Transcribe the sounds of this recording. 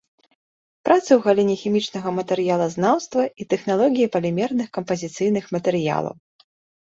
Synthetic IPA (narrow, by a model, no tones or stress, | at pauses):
pɾʔat̪sɨwɣalʲinʲɛxʲimʲit͡ʂnɐɣɐmɐt̪ɛɾɨjalˠɐznawst̪vɐit̪ɛxn̪alˠɔɣʲijipɐlʲimʲɛrnɨxkɐmpɐzʲit̪sɨjnɨxmɐt̪ɛɾɨja̰lˠɐ̰w